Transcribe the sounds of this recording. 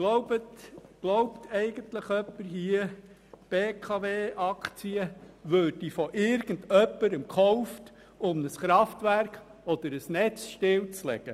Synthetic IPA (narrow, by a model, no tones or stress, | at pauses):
ɡ̥lɔʊbətɡ̥lɔwptʰɛɪɡ̥əntləχœpːəɾɦiə | b̥eːkʰɑʋeːʔɑkt͡siəʋød̥ifɔʔɪɾɡ̥ən̩dœpːəɾəmkχɔʊft | ʊmnəsχɾɑftʋæɾk | ɔd̥̪əɾəsnɛt͡sʃtɪlt͡slɛ̰ɡ̥ə